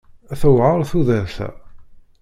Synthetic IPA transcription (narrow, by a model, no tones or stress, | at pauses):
æθəwʕəɾˤθuðæθæ̰